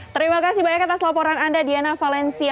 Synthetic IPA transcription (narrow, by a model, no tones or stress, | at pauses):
t̪əɾimakasibajakat̪aslapɔɾanandadianafalɛnsia